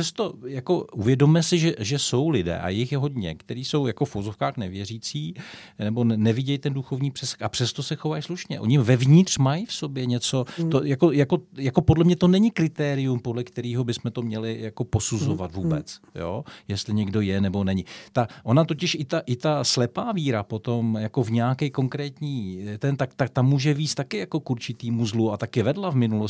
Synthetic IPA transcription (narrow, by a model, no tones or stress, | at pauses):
sɛst̪o̞jako̞ʔuvjɛdomjɛsɪʒɛʒɛso̞wlɪdɛ̰ːʔa̰jɪxjɛɦo̞dɲɛ̰kt̪ɛɾiːso̞wjako̞fuvo̞zo̞fkaːxnɛvjɛriːt͡siː | nɛbo̞nnɛvɪɟɛjt̪ɛnduxo̞vɲiːpr̥ɛsɛ̥kxapr̝̥ɛst̪o̞sɛxovajsluʃɲɛ̰ʔoɲɪmvɛvɲɪt̪r̥majfso̞bjɛɲɛt͡so̞t̪ojako̞jako̞jako̞podlɛmɲɛt̪o̞nɛɲɪkɾɪt̪ɛːɾɪjumpo̞dlɛkt̪ɛɾiːɦo̞bɪsmɛt̪omɲɛlɪjako̞po̞suzo̞vat̪vuːbɛ̰t͡sjo̰ːjɛst̪lɪɲɛɡdo̞jɛnɛbo̞nɛɲɪt̪aʔo̞nat̪o̞cɪʃʔɪt̪aʔɪt̪aslɛpaːviːɾapo̞t̪o̞mjako̞vɲɛakɛjko̞ŋkɾɛːt̪ɲiːt̪ɛnt̪akt̪ak̚t̪amːuːʒɛviːt͡st̪akɪjako̞kuɾt͡ʃɪt̪iːmuzluat̪akɪvɛdlavmɪnulos